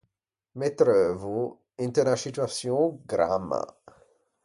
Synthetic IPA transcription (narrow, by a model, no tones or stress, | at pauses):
met̪ɾøːvu | int̪enasit̪uatsjõɡɾa̰mːa̰